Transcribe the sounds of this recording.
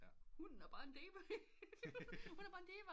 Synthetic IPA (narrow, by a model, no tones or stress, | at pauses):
hunæɐb̥ɑ̈ːe̝nd̥ḛːʋ | hunæɐb̥ɑ̈ːend̥ḛːʋe